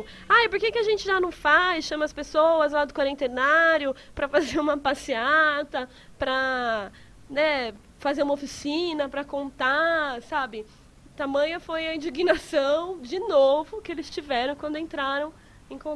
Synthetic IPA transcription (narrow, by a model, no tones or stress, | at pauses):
ajpoɾkekɪaʒẽnt͡ʃɪʒanɐ̃w̃fajsʃɐ̃mɐspesowɐzlad̪ʊkwaɾẽnt̪enaɾjʊ | pɾɐfazeɾũmɐpasiat̪ɐ | pɾɐ | nɛ | fazeɾũmɐofisĩnɐpɾɐkõnt̪asabɪ | t̪amɐ̃ɲɐfojɐĩd͡ʒiɡinasɐ̃w̃d͡ʒɪnovʊkɪelɪst͡ʃivɛɾɐ̃w̃kwɐ̃nd̪ʊẽnt̪ɾaɾɐ̃w̃ | ẽj̃kõ